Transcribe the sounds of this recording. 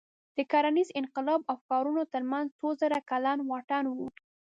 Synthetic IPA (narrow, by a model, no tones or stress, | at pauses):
d̪̥əkɑɾanizɪnqɪlɑbawkɑɾunot̪əɾmanzt͡sozəɾakalɑnwɑʈɑnwu